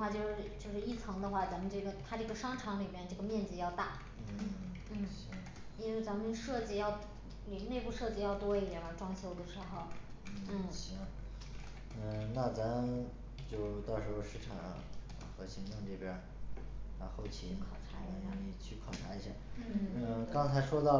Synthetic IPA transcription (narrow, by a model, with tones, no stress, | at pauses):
xwa˥˧t͡ɕjo˥˧ʊʂɻ̩˥˧t͡ɕjo˥˧ʊʂɻ̩˥˧i˥˩t͡sʰɤ˧˥ŋd̪ə˧xwa˥˩t͡sa˧˥nmə˧nʈ͡ʂɤ˥˩ɡə˩t̪ʰa˥ʈ͡ʂɤ˥˩ɡə˩ʂɑ˥ŋʈ͡ʂʰɑ˧˥ŋli˨˩mjɛ˥nʈ͡ʂɤ˥˩ɡə˩mjɛ˥˧nd͡zɹ̩˧jɑ˥˧ʊt̪a˥˩ | n̩˥˩ | n̩˥˩˥ | i˥nwe˥˧˩ɪt͡sa˧˥nmə˧nʂɤ˥˧t͡ɕi˥˧jɑ˥˧ʊ | li˨˩ne˥˧ɪpu˥˧ʂɤ˥˧t͡ɕi˥˧jɑ˥˩ʊt̪wɔ˥i˧˩d̪jɛ˨˩ə˞˧˥ʈ͡ʂwɑ˥ŋɕjo˥ʊd̪ə˩ʂɻ̩˧˥xo˧ʊ | n̩˥˩˥ | ə˥˧˩na˥˩t͡sa˧˥m | t͡ɕjo˥˧ʊt̪ɑ˥˩ʊʂɻ̩˧˥xo˥˧ʂɻ̩˥˩ʈ͡ʂʰɑ̰˨˩ŋ̰˧ | xɤ˧˥ɕi˧˥ŋʈ͡ʂ̪ʊ˥˧ŋʈ͡ʂɤ˥˩pjɛ˧˥ | a˧xo˥˩ʊt͡ɕʰi˧˥kʰɑ˨˩ʈ͡ʂʰa˧˥i˧˥ɕa˥˩˥t͡ɕʰy˥˩kʰwɑ˨˩ʈ͡ʂʰa˧˥i˧˥ɕja̰˥˩n˥nə˥˧˥kɑ˥ŋt͡sʰa˧˥ɪʂwɔ˥t̪ɑ˥˩